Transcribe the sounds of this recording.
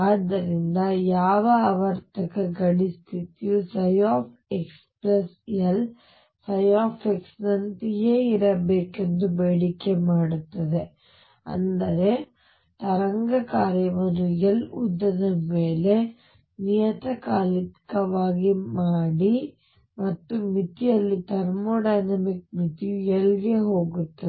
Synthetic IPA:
aːd̪ːɐɾind̪ɐjaːʋɐaːʋɐɾt̪ɐkɐɡɐɽist̪ʰit̪ijusɐjaːp | ekspɾɐs | jɐl | sɐjaːfeksnɐnt̪ijeːiɾɐbeːkend̪ubeːɽikːemaːɽut̪ːɐd̪e | ɐ̰nd̪ɐɾe̞ | t̪ɐɾɐŋɡɐkaːɾjɐʋɐɾɯjɐlʊ̰d̪ːɐnɯmeːle | nɪjɐt̪ɐkaːlɪkːɐʋaːɣimaːɽi | mɐt̪ːɯmɪt̪ːijɐlːit̪ɐɾmoːɖɐjnɐmɪk̚mɪt̪ːijɐɭɣeɦoːɣɯt̪ːɐ

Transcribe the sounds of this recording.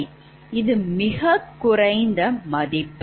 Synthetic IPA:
ɪðɯmɪɣɐkːʊɾɐɪnd̪ɐmɐðɪpː

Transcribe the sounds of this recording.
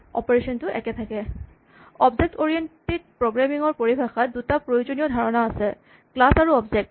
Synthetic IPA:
ɔ̰pɔɹesɔntʊʔɛkɛt̪ʰakɛ | ɔbzek̚toɹijented̚pɹoɡɹamiŋɔɹpoɹibʱaxat̚dutapɹojod͡ʑonijɔd̪ʱaɹɔnaːsɛ | klasaɹuɔbzek̚t

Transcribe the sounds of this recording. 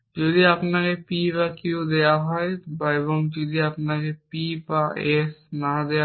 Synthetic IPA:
d͡ʒod̪iapnakepibakeod̪ejaɦɔebaeβɔŋd͡ʒod̪ʱiapnakepibaesnad̪ea

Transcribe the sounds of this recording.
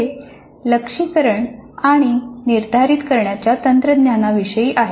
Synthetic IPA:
e | ləkʂikəɾəɳaɽ̃iniɾd̪ʱaɾit̪kəɾɳjat͡ɕjat̪ənt̪ɾəd̪njanaʋiɕəjiːʔaɦe

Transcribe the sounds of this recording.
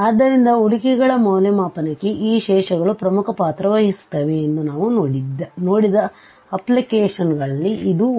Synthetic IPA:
aːd̪ːɐɾind̪ɐuɽikɛɡɐɭɐmoːlɐmaːpɐnɐkːeʔiːʃɛːʂɐɡɐɭupɾɐmukʰɐpaːt̪ɾɐʋɐɦist̪ɐʋeːnːunaːʋunoːɽid̪ɐno̞ːɽid̪ɐ | ɐplikeːʂɐnɡɐɭɐlːiid̪u

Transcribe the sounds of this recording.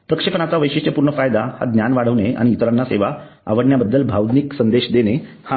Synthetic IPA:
pɾəkʂepɳat͡saʋəjɕiʂʈjəpuɾɳəfajd̪aha̰d̪njanʋaɽ̤əʋnea̰ɽ̃iːt̪ɾanːaseʋa | a̰ʋəɽɳjabəd̪ːəlbʱawd̪niksənd̪eɕd̪ene | ha

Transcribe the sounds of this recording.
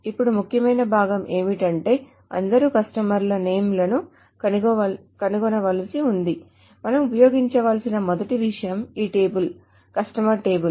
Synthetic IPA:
ipːuɽumukʰjɐmɐjnɐbʱaːɡɐmʔe̞ːmiʈɐɳʈe̞ː | ɐ̰nd̪ɐɾukɐsʈɐmɐɾlɐneːmlɐnu | ɐn | kɐnuɡɔnɐʋɐlisiund̪i | mɐnɐmupɐjo̞ːɡiɲt͡ʃɐʋaːlsinɐmɔd̪ɐʈiʋiʂɐjɐmiːʈe̞ːbul | kɐsʈɐmɐɾʈe̞ːbul

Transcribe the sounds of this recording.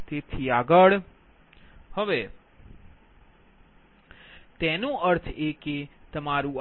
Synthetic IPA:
t̪et̪ʰiaɡəɭ | həʋe | t̪ɛnũəɾt̪ʰeket̪əmaɾũ

